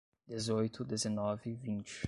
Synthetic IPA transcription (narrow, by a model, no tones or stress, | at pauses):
d̪ezojt̪ʊd̪ezenɔvɪvĩnt͡ʃɪ